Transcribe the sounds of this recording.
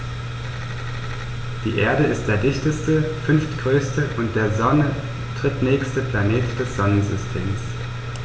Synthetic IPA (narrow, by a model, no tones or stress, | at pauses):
d̥ḭːʔeːɐdəɪst̚d̥eːɐdɪçtəstəfʏnftɡ̥ʁøːstəʔʊnt̚d̥eːɐzɔnə | tʁ̥ɪtnɛːçstəpl̥aneːtd̥ɛsz̥ɔnənzʏstʰḛːms